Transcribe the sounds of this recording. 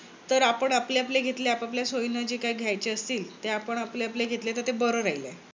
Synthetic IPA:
t̪əɾapəɳapleapleɡʱet̪leapəapljasojnəd͡ʑiːkajɡʱjajt͡ɕeəst̪iːlt̪eapəɳapleapleɡʱet̪let̪əɾt̪ebəɾoɾajle

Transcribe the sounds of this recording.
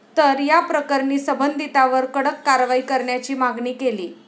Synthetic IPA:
t̪əɾjapɾəkəɾniːsəbənd̪ʱit̪aʋəɾkəɽəkːaɾʋaikəɾɳjat͡ɕiːmaɡɳiːkeliː

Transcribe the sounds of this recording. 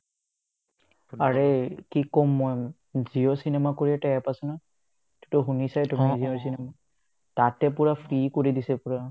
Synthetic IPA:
aɹekikɔmːɔj | ziɔsinɛmakoɹiɛtɛɛpasɔna | tutɔɦunisajtumiziɔs̬inɛma | tatɛpʊɹafʰɹikoɹidisɛpuɹa

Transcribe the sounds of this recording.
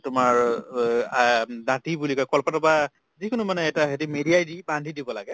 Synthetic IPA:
tʊmaɹ | natibulikɔjkɔlpataba | zikʊnʊmanɛːtaɦetimediajdibandʱidibɔlaɡɛ

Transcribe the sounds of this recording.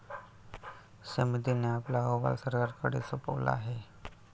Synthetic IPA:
səmit̪ineaplaɦoba̰lsəɾkaɾkəɽḛsopə̰ʋla̰ːɦe

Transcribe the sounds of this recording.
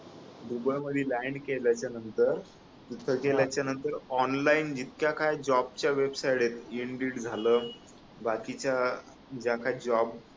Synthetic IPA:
ɖubəɭməd̪ʱːelainkeljat͡ɕjanənt̪əɾ | t̪it̪ʰːəkeljat͡ɕjanənt̪əɾɔnlaind͡ʑit̪kjakajd͡ʑɔb̚t͡ɕjaʋebsajɽet̪iɳɖiɽd͡zʱaləː | bakit͡ɕja | d͡ʑakad͡ʑɔb

